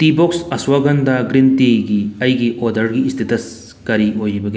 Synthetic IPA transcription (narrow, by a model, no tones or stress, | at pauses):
t̪iːboksɐswɐɡɐnd̪aɡɾɪnt̪iɡiɐjɡiʔoːd̪ɐɽɡiːst̪ʰit̪ɐs | kɐɾiɦoːjibɐɡe